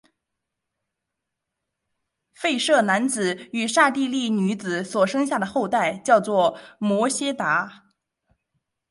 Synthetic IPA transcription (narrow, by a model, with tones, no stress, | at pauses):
fe˥˧ɪʂɤ˥˩na˧˥nt͡sɹ̩˨˩˦y˨˩ʂa˥˧t̪i˥˧li˥˩ny˧˥t͡sɹ̩˨˩swɔ˨˩ʂɤ˥ŋɕ̬ja˥˩d̪ə˩xo˥˧ʊt̪a˥˩ɪt͡ɕjɑ˥˧ʊt͡swɔ˥˩mwɔ˧˥ɕjɛ˥t̪a˧˥